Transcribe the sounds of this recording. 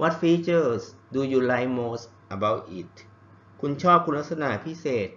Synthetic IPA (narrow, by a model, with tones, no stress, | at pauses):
wʔa˦˥t̪̚fiː˦˥t͡ɕə˧˩sduː˧juː˧la˦˥jmoː˦˥s | ʔa˧ba˦˥w̚ʔi˨˩t̪̚ | kʰu˧nt͡ɕʰɔː˥˩p̚kʰu˧nla˥t̚sa˧na˨˩ʔpʰi˦˥seː˨˩t̪̚